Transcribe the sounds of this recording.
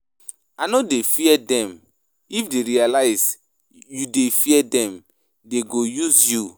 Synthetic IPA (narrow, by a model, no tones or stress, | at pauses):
anɔdefiɛdɛ̃m | ifdeɾialaɪs | judefiɛdɛ̃m | deɡojuzju